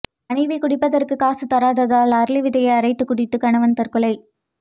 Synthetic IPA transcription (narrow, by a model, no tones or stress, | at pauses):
ɐɳɐɪʋɐɪkʊɽɪpːɐðɐrkɯkaːsɯt̪ɐɾaːðɐðaːlɐɾlɪʋɪðɐjɐɪɐɾɐɪt̪ːɯkʊɽɪt̪ːɯkɐɳɐʋɐnt̪ɐrkɯlɐɪ